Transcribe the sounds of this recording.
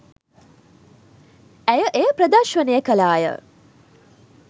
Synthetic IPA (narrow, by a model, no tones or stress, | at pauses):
æjəʔejəpɾəd̪aʃʋənejəkəlaːjə̰